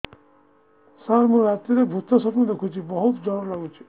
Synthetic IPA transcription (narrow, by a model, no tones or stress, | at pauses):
saɾmũɾat̪ːiɾebʱut̪ːɔsɔpnũd̪ekʰut͡ʃʰibɔɦut̪d͡ʒʱɔɾɾlaɡũt͡ʃʰi̥